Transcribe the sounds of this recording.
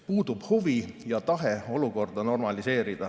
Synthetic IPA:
puːd̪̥ub̥huvijɑt̪ɑɦeo̞luko̞rd̪ɑno̞rmɑlise̞ːɾid̪̥ɑ

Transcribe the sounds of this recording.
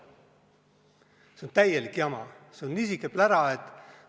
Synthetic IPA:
seont̪æjelikːiɑmɑ̰seonːisikːˑeplæɾɑet̪ːˑ

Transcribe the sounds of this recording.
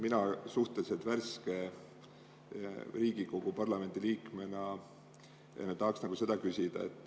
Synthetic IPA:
minɑsuht̪e̞liset̪værske̞ | riːɡ̥iko̞ɡ̥upɑrlɑme̞nd̪̥iliːkme̞nɑ | jḛnet̪ːɑɦːksnɑɡ̥use̞d̪̥ɑkysʲid̪̥ɑ̰et̪ːˑ

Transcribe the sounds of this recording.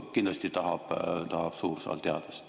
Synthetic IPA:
kind̪lɑst̪it̪ɑhɑb̥t̪ɑhɑb̥suːrsɑ̰lt̪eɑd̪ɑst̪

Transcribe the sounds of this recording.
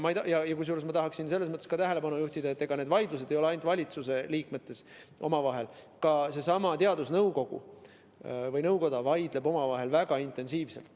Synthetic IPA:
mɑejt̪ɑjɑjɑkujs̬juːɾesmɑt̪ɑɦɑksinse̞lːesmɤət̪ːˑeskɑt̪æɦe̞le̞bɑnujuht̪id̪̥ɑe̞t̪ːˑeɡ̥ɑned̪vɑjd̪lus̬ed̪̥e̞jo̞leɑjnt̪vɑlʲit̪suse̞liːkme̞t̪ːe̞s | ʔo̞̰mɑvɑɦe̞l | kɑse̞sɑmɑt̪eɑd̪̥usnɤwko̞ɡ̥ṵ | vɤjnɤwko̞d̪̥ɑvɑjd̪̥le̞bo̞mɑvɑɦe̞lvæɡ̥ɑint̪ˑe̞nsiːvse̞lt̪ːˑ

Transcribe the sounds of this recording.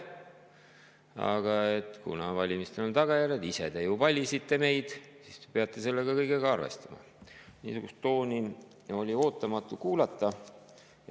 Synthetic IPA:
ɑ̰ɡ̥ɑe̞t̪ːkṵnɑvɑlʲimist̪enont̪ɑɡ̥ɑjæɾjed̪ise̞t̪ejupɑlʲisit̪ːe̞me̞jd̪̥ | sist̪e̥pe̞ɑt̪ːˑe̞se̞lːeɡ̥ɑkɤjɡeɡɑɑrve̞̰st̪ɑmɑ̰ | nḭːsuɡust̪ːo̞ːnʲi | o̞lʲio̞ːt̪ːˑɑmɑt̪ːˑukuːlɑt̪ːɑ

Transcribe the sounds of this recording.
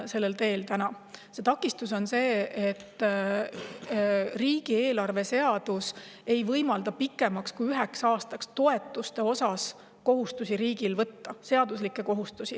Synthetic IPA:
se̞lːelt̪e̞ːlt̪ænɑ | se̞t̪ɑkːˑist̪uso̞nse̞ːet̪ː | riːɡ̥ie̞ːlɑrve̞se̞ɑd̪̥use̞jvɤjmɑld̪ɑpikːˑe̞mɑkskujyɦeksɑːst̪ɑkst̪o̞e̞t̪ːˑust̪e̞o̞sɑs | ko̞ɦust̪usiɾiːɡ̥ilvɤt̪ːɑse̞ɑd̪uslikːˑe̞ko̞ɦust̪usi

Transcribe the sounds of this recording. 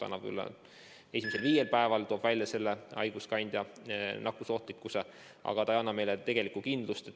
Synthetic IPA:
ɑ̰nːɑb̥ky̰lːḛ | e̞simise̞lviːje̞lpæe̞vɑlt̪oːb̥vælʲjɑse̞lːeɑ̰jɡ̥uskɑnʲd̪̥ʲjɑnɑkːˑuso̞ht̪likːuse | ʔɑ̰ɡ̥ɑt̪ɑjɑnːɑme̞jlet̪e̞ɡ̥e̞likːˑukind̪̥lust̪e

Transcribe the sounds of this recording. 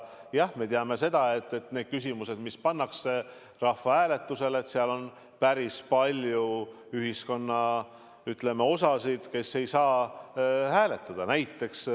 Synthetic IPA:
jɑhme̞t̪eɑme̞se̞d̪̥ɑe̞t̪ːˑe̞t̪ned̪̥̚kysimuse̞d̪mispɑnːɑkse̞ | rɑhfːɑhæːle̞t̪ːˑuse̞let̪seɑlo̞n | pæɾispɑlʲju | yɦisko̞nːɑ | yt̪ˑle̞me̞o̞sɑsid̪̥ke̞sːe̞jsɑː | hæːle̞t̪ːˑɑd̪̥ɑnæjt̪ːˑe̞ks

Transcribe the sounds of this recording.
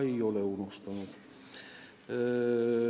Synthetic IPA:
eioleunust̪ɑnut̪

